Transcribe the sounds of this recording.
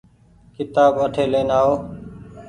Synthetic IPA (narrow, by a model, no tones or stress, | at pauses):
kɪt̪aːbəʈʰeːlẽːnaːɦoː